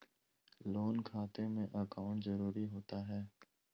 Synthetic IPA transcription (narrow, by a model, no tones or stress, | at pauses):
loːnkʰaːt̪ẽmẽʔəkaːʊ̃ɳʈzəɾuːɾiɦoːt̪aɦɛː